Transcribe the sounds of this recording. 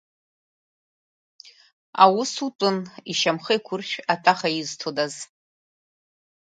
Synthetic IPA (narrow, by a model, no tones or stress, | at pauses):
a̰wʊsutʼʊniʃamχəjkʷʰʊrʃᶣatʰaχajiɪztʰodaz